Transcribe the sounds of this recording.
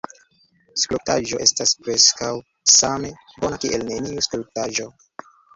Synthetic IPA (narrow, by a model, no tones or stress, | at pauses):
skluk̚taʒo̞ʔe̞staspɾeskaw | same | bo̞nakiʔelne̞niuskluk̚taʒo̞